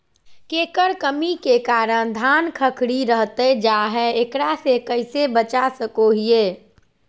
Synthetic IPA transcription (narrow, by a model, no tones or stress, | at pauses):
kekəɾkəmikekaɾəɽ̃d̪ʱankʰəkʰɽiɾəɦt̪əd͡ʒaɦɛekɽasekəɪsebət͡ʃasəkoɦije